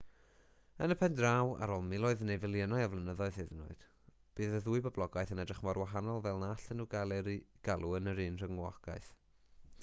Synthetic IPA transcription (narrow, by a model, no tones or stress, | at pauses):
ənəpʰɛndrawa̰ɾoːlˠmɪlˠɔɨðnejvɪlˠjənaɨɔvlˠənəðɔɨðheðənʊ̰ɨd̥ | b̥ɨːðəðuːɨbɔblˠɔɡajθənɛdrɪχmɔrwaɦanɔlˠvɛlˠnaɬənuɡalˠɛɾiɡ̥alˠuənəɾiːnr̥əŋwɔɡa̰jθ